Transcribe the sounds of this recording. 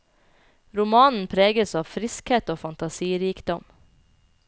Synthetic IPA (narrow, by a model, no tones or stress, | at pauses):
ɾʊmɑːnn̩pʰɾeːɡəsɑːʋfɾɪskheːt̪oːfɑnt̪ɑsiːɾiːkd̪ɔm